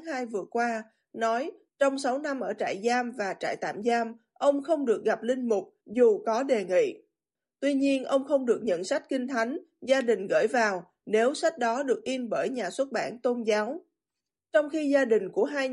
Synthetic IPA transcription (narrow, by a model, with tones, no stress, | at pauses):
haː˧jvɨ˨˩əkwaː˧ | nɔ˨˦j | t͡ɕɔ˧wŋ͡msa˨˦wna˧mʔəː˧˩t͡ɕa̰ː˧˨jzaː˧mvaː˨˩t͡ɕa̰ː˧˨jt̪a̰ː˧˨mzaː˧m | ʔə˧wŋ͡mxə˧wŋ͡mɗɨ˨˩ək̚ɣa˨˩p̚lï˧ŋ̟mʊ˨˩k͡p̚zu˨˩kɔ˨˦ɗe˨˩ŋḭ˧˨ | t̪wi˧ɲi˧ənʔə˧wŋ͡mxə˧wŋ͡mɗɨ˨˩ək̚ɲə̰˧˨nsa˦˥jk̟̚kï˧ŋ̟t̪ʰa˨˦jŋ̟ | zaː˧ɗï˨˩ŋ̟ɣə̰ː˧˩jvaː˨˩w | ne˨˦wsa˦˥k̟̚ɗɔ˨˦ɗɨ˨˩ək̚ʔi˧nɓəː˧˩jɲaː˨˩swə˦˥t̚ɓa̰ː˧˩nt̪o˧nzaː˨˦w | t͡ɕɔ˧wŋ͡mxi˧zaː˧ɗï˨˩ŋ̟ku˧˩əɦaː˧j